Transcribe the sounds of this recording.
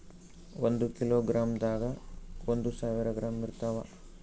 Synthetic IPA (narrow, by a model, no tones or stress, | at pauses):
ond̪ukiloːɡɾaːmd̪aːɡɐond̪usaːʋiɾɐɡɾaːmːiɾt̪ɐʋɐ